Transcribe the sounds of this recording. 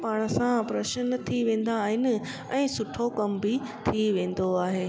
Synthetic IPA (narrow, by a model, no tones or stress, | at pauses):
paːɽ̃ə̆sãpɾɐʃənt̪ʰiʋẽːn̆d̪aːɦɪnɪ̆ | ɛ̃ːsʊʈʰokɐmbit̪ʰiʋẽːn̆d̪oaːɦeː